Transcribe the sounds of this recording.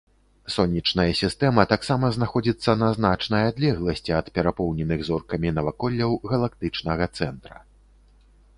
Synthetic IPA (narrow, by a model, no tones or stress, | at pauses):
sɔnʲit͡ʂnɐjɐsʲist̪ɛmɐt̪aksamɐznaxɔd͡zʲit̪sːɐnɐznat͡ʂnɐjad̪lʲɛɣlˠɐsʲt͡sʲiɐt̪pʲɛɾapɔwnʲɛnɨɣzɔrkɐmʲinɐvakɔlʲːɐwɣɐlˠak̚t̪ɨt͡ʂnɐɣɐt̪sɛnt̪ɾɐ̰